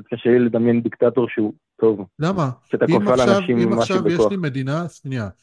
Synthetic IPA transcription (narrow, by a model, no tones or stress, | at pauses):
ot̪̚kaʃeliled̪amjend̪ikt̪at̪o̞ʁʃeu | t̪ʰo̞vlamaʃeat̪akofalaːnaavʃimimaʃaubeeoʃalime̞d̪inaʃnia